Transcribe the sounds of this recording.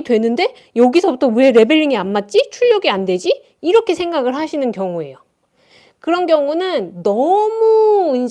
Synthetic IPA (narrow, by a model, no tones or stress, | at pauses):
dwe̞nːɯnde̞ | jʌɡisʰʌbutʰʌue̞ɾe̞be̞ʎːiŋianmat̚t͡ɕ͈it͡ɕʰuʎːʌɡiandwe̞d͡ʑiː | ɾʌkʰe̞sʰeŋɡaɡɯɭɦaɕʰinɯnkjʌŋue̞̰jo | kɯɾʌnkjʌŋunɯnnʌmuind͡ʑ